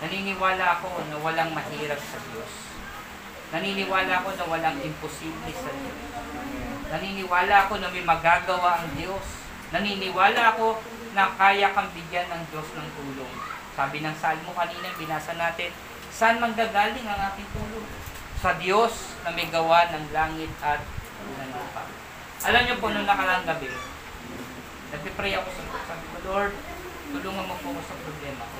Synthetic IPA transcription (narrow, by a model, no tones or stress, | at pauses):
nɐninɪwaːlɐʔɐko̞nɐwɐlaŋmɐhiːɾɐb̚sɐd̪jo̞s | nɐninɪwaːlɐʔɐko̞nɐwɐlaŋɪmposiblɛsɐd̪jos | nɐniːnɪwaːlɐɐko̞nɐmɐjmɐɡaːɡɐwaʔɐŋd̪jo̞s | nɐninɪwaːlɐʔɐko̞ | nɐkaːjɐkɐmbɪɡjanːɐŋd͡ʒo̞snɐŋt̪uːloŋ | saːbɪnɐŋsaːlɪmokɐniːnɐɪbɪnaːsɐnaːt̪ɪn | sɐʔanmɐŋɡaːɡaːlɪŋɐŋʔaːt̪ɪŋt̪uːlo | sɐd̪jo̞s | nɐmɐjɡɐwanɐŋlaːŋɪt̪̚ɐt̪̚ | nɐnaːpɐ̰ | ʔɐlamɲopo̞ʔnoŋnɐkɐlaŋɡɐbɛ | nɐɡ̚pɛpɾɛjɐko̞sɐsɐkɐloɹd̪̚ | t̪ʊluːŋɐnmɐpoɐko̞sɐpɾoblɛːmɐ